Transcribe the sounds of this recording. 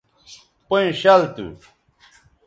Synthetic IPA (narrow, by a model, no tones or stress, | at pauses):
poj̃ɕalt̪ṵ